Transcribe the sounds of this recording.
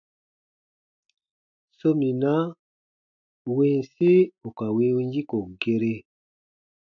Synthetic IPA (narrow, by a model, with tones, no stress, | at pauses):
so˦mi˨na˦ | we˨n˨se˦u˨ka˨we˦ũ˦ɲd͡ʒi˦ko˨ɡe˦ɾe˦